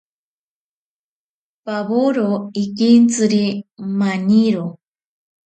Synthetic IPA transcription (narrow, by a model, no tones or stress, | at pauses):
paβoɾoikint͡sɨɾimaɲiɾo